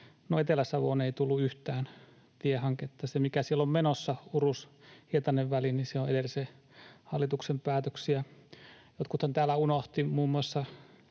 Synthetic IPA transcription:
noet̪elæsɑʋo̰neit̪ulːuyht̪æːn | t̪iehɑŋket̪ːɑsemikæsielːommenosːɑurushiet̪ɑneʋʋæliniseoed̪else | hɑlːˑit̪uksempæːt̪øksiæ | jot̪kut̪hɑnt̪æːlæunoht̪imuːmːuɑsːɑ

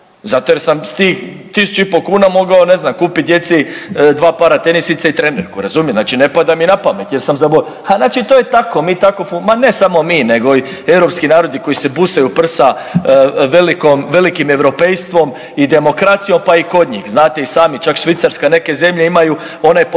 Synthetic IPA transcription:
zat̪o̞je̞ɾsamst̪iːx | t̪isu̥t͡ʃuipo̞kuːnamo̞ɡaone̞znamkuːpit̪d̪ʲje̞t̪sid̪ʋaːpaːɾat̪enisit̪sait̪ɾe̞ne̞ɾkuɾazuːmjeznaːt͡ʃine̞pad̪aminapame̞t̪je̞ɾsamzabo | hanaːt͡ʃit̪ojet̪ako̞miːt̪akosumane̞samo̞miːne̞ɡo̞i | e̞wɾo̞pskinaːɾo̞d̪iko̞isebusajupr̩sa | ʋe̞likomʋe̞likime̞ʋɾo̞pejst̪ʋo̞m | id̪e̞mo̞kɾat̪sijo̞mpaiko̞d̪ɲḭːxznaːt̪e̞isaːmit͡ʃakʃʋit̪saɾskane̞ke̞zemʎe̞imaju | o̞najp

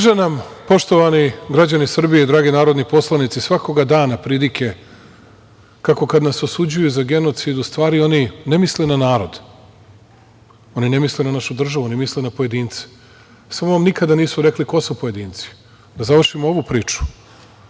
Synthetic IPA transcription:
ʒenampo̞ʃt̪o̞ʋaniɡɾad͡ʑanisr̩bijeid̪ɾaːɡinaːɾo̞d̪nipo̞slˠanit̪sisʋako̞ɡad̪aːnapɾiːlikʰe̞ | kako̞kad̪nasosud͡ʑujuzaɡe̞no̞t̪sid̪ust̪ʋaːɾio̞nine̞mislenanaːɾo̞d̪ | o̞nine̞mislenanaʃud̪r̩ʒaʋuo̞nimislenapoje̞d̪iːnt̪si̥ | samoʋamnikad̪aniːsuɾe̞kliko̞supoje̞d̪iːnt̪si̥ | d̪azaʋr̩ʃimooʋupɾiːt͡ʃu̥

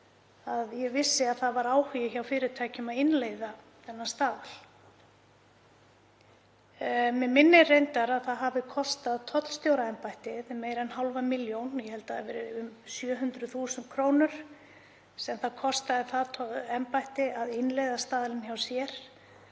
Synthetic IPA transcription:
aðjɛvɪsːɪaðθaðvaɾaːwhijɪçawfɪːɾɪt̪ʰaːjcʏmaðɪnlejða | θɛnːast̪aːðal | mɛmɪnːɪrejnt̪aɾaðθaðɦavɪkʰɔst̪aðt̪ʰɔt̪l̥st̪jowɾaɛmpajht̪ɪðmeːjɾɛnhawlvamɪljownjɛhɛlt̪aavɛ̰ːɾɪʏmsjœːɦʏnt̪ɾʏθuːsʏnt̪kʰɾoːwnʏɾ̥ | sɛmθaðkʰɔst̪aðɪθaðt̪ʰɔɛmpajht̪ɪaðɪnlejðast̪aːðalɪnçawsjɛɾ̥

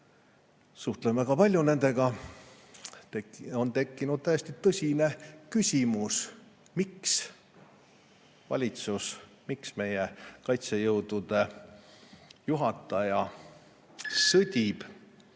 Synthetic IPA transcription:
suht̪lemvæɡ̥ɑpɑlʲjune̞nd̪e̞ɡ̥ɑ | ont̪e̞kˑːinud̪̥̚t̪æjest̪it̪ɤsʲine̞kysʲimus | miks | vɑ̰lʲit̪sus | miksme̞jekɑjt̪sejɤwd̪̥ud̪̥e̞ | juɦɑt̪ːˑɑjɑ | sɤd̪ʲib̥

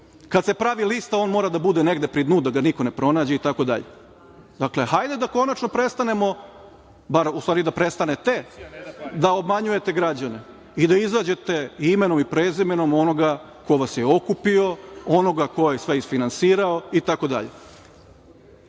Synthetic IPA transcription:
kad̪se̞pɾaʋilist̪ao̞ːnmo̞ːɾad̪abud̪e̞ne̞ɡd̪e̞pɾid̪nuːd̪aɡanikone̞pɾo̞naːd͡ʑeit̪ako̞d̪a̰ʎe̞̰ | d̪akle̞hajd̪e̞d̪ako̞nat͡ʃnopɾe̞st̪ane̞mo̞ | baɾusaːɾid̪apɾe̞st̪anet̪e̞ | d̪ao̞bmaɲuje̞t̪e̞ɡɾad͡ʑane̞ | id̪aizaːd͡ʑe̞t̪e̞ime̞no̞mipɾeːzime̞no̞mo̞no̞ɡa | ko̞ʋasjeo̞kupio̞o̞no̞ɡako̞jesʋeisfinansiːɾaoit̪ako̞d̪a̰ʎe

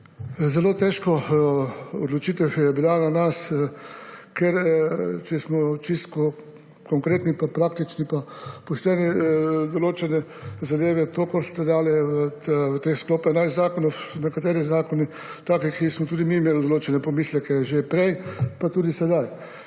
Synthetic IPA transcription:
zɛloːt̪ɛːʃkɔ | ɔd̪lɔt͡ʃit̪ɛwjɛbilananas | kɛɾt͡ʃɛsmɔt͡ʃist̪kɔ | kɔŋkɾeːt̪nipapɾaːkt̪it͡ʃnipapɔʃt̪ɛːnɛd̪oloːt͡ʃɛnɛzad̪eːʋɛt̪okoɾst̪ɛd̪aːlɛʋəʋət̪exskloːpɛnajzaːkɔnɔwnɛkat̪eːɾizaːkɔni | t̪aːkɛkismɔt̪uːd̪imiːmeːlɔd̪oloːt͡ʃɛnɛpɔmiːslɛkɛʒepɾɛjpat̪uːd̪isɛd̪aj

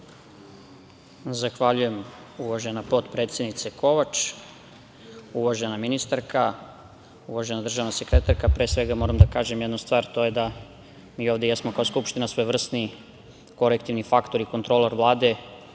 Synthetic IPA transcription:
zaxʋaʎuje̞m | uʋaʒe̞napo̞t̪pɾet̪sje̞d̪nit̪se̞ko̞ʋat͡ʃ | uʋaʒe̞naminist̪aɾka | uʋaʒe̞nad̪r̩ʒaʋnase̞kɾe̞t̪aɾkapɾeːsʋe̞ɡamo̞ːɾamd̪akaːʒemjed̪nust̪ʋaːɾt̪o̞je̞d̪a | miːo̞ːʋd̪ejesmokaoskupʃt̪inasʋo̞jʋr̩st̪ni | ko̞lekt̪iʋnifakt̪o̞ɾikont̪ɾoloɾʋlˠaːd̪e̞

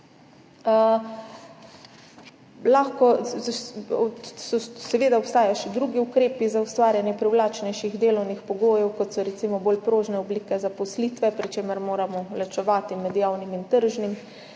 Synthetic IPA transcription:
laxkɔ | sɔsɛʋeːd̪aɔpst̪aːjaʃɛd̪ɾuɡiukɾeːpizaust̪ʋaːɾjanjɛpɾɛwlaːt͡ʃnɛjʃiɣd̪eːlɔwnixpɔɡoːjɛwkɔt̪sɔɾɛt̪simɔboːlpɾoːʒnɛɔbliːkɛzapɔsliːt̪ʋɛpɾit͡ʃeːməɾmoːɾamɔlɛt͡ʃɛʋaːt̪imɛd̪jaːwnimint̪əɾʒnim

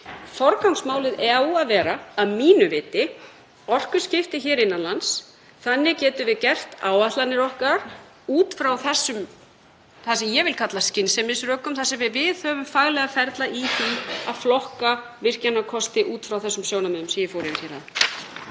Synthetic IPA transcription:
fɔɾkawŋsmaːwlɪðɛaðvɛːɾaːðmiːnʏvɪːt̪ɪ | ɔr̥kʏ̥scɪft̪ɪçɛːɾɪnːanlans | θanːɪcɛːt̪ʏvɪðcɛr̥t̪aːwaht̪lanːɪɾɔhkaɾ̥ | uːt̪fɾawθɛsːʏm | θasɛmjɛvɪlkʰat̪lascɪnsɛmɪsɾœːkʏmθasɛmvɪɾvɪðhœːvʏmfaɣlɛɣafɛɾt̪laʔiθia̰ðflɔhka | vɪr̥canakʰɔst̪ɪʔuːt̪fɾawθɛsːʏmsjoːwnamɛnʏmsɛmjɛfoːwɾɪvɪɾ̥çɛːɾ̥ha̰n

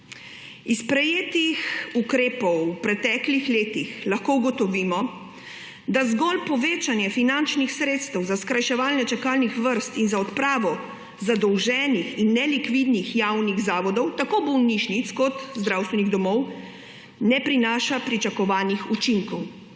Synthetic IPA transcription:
ispɾɛjeːt̪ixukɾeːpɔwupɾɛt̪ɛːklixleːt̪ixlaxkouɡɔt̪ɔʋiːmɔ | d̪azɡɔlpɔʋeːt͡ʃanjɛfinant͡ʃnixsɾeːt̪st̪ɛwzaskɾajʃɛʋaːlnɛt͡ʃɛkaːlnixʋəɾst̪inzaɔt̪pɾaːʋɔ | zad̪ɔwʒɛːnixinːɛlikʋid̪nixjawniɣzaːʋɔd̪ɔwt̪akobɔwniʃnit̪skɔt̪zd̪ɾawst̪ʋɛniɣd̪ɔmɔw | nɛpɾinaːʃapɾit͡ʃakɔʋaːnixut͡ʃiŋkɔw

